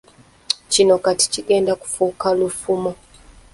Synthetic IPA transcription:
t͡ʃinɔkati̥t͡ʃikɛndaku̥fukalufumɔ

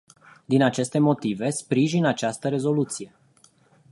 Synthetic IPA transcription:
d̪inat͡ʃe̞st̪e̞mo̞t̪ive̞spɾiʒinat͡ʃast̪əɾe̞zo̞lut̪sije̞

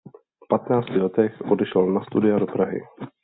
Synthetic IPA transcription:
fpat̪naːt͡scɪlɛt̪ɛxʔo̞dɛʃɛlnast̪udɪado̞pɾaɦɪ̰

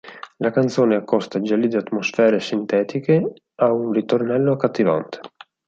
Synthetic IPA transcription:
lakant̪soːneakːɔst̪ad͡ʒalid̪iat̪mosfɛːɾesint̪ɛːt̪ike | aunrit̪ornɛlːokat̪ːiva̰nt̪ʰe̥

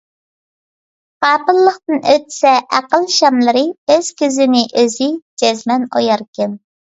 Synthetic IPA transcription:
qɑːpɨlˠːəχt̪ɨnøt̪sɛʔæqəlˠʃɑmlˠɨɾɨøz̥kʲyzɪnɪʔøzɪd͡ʒɛzmɛno̰jɑɾkʲɛn

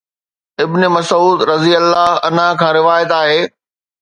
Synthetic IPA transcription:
ɪbnemɐsuːd̪ɾɐzijəlːaɦɐnakʰãːɾɪʋaːjət̪aːɦeː

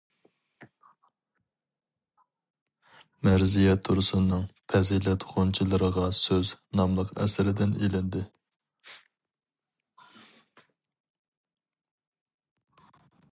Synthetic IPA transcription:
mɛɾzijɛt̪ʰuɾɨsɨnːɨŋpʰɛzilɛt̪χont͡ʃʰilˠɨɾəʁɑsøznɑmlˠəqɛ̰sɪɾɪd̪ɪnelɪnd̪ɪ

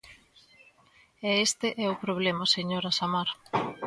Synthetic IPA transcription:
ɛest̪eʔɛʊpɾoβ̞lemɐseɲoɾasamaɾ

